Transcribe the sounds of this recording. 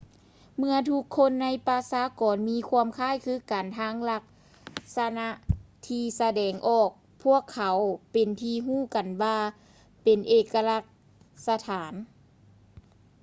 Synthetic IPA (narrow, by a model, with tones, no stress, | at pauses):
mɯ˧ɐt̪ʰu˧kʰːo˧˥˨nːa˧˥jpa˧saː˧˦kɔː˨nmiː˧˥˨kʰu˧əmkʰaː˥˨jkʰɯː˧˥˨ka˨˩nt̪ʰaː˧˥ŋla˧k̚ | sa˧na˧˥ʔt̪ʰiː˧sa˧dɛː˨˩ŋʔɔː˧˩k̚ | pʰu˧˥˩əkʰːa˨˦wpe˨˩nt̪ʰiː˧ɦuː˥˩ka˨nwaː˧ | pe˨nʔeː˧˩kːa˧la˧k̚ | sa˧t̪ʰaː˨˦n